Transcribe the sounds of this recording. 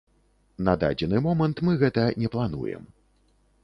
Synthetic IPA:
nɐd̪a̰d͡zʲɛnɨmɔmɐnt̪mɨɣɛt̪ɐnʲɛplˠanṵjɛ̰m

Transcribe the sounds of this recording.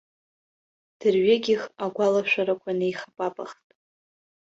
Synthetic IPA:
d̥ɨrɥaɡʲɪχaɡʷalaʃʷᶣaɾakʷʰanejχapʼapʼaχtʼ

